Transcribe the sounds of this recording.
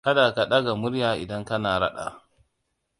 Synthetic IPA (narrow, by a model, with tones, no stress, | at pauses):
ka˦da˨ka˨ɗa˦ɡa˨mʊ˦ɾjaː˨ʔɪ̰˨dɐ˦ŋkɐ˦naː˨ɾɐ̰˦ɗa̰˨